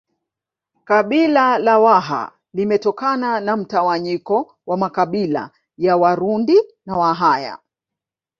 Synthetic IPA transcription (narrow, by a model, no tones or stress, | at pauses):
kaɓilalawaɦa̰ | limɛtɔkananam̩tawaɲikɔ | wamakaɓila̰ | jawaɾundinawaɦaja̰